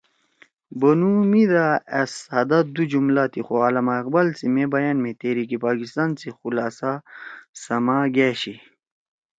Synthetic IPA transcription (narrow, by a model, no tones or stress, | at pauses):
bɐnumid̪aeshɐd̪ɐd̪ud͡ʑumlat̪ʰixoaːlɐmaːq̚bɐlt͡simebɐjɐnmẽt̪eɾikipaːkist̪aːnt͡sixulaːsasɐmaːɡeɕi